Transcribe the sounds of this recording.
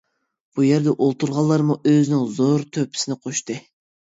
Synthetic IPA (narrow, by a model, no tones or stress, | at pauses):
b̥ujɛɾd̪ɛʔolˠt̪uɾʁɑlˠːɑɾmuʔøzɪnɪŋzoɾt̪ʰøpʰɪ̥sɪnɪqʰoʃt̪ɨ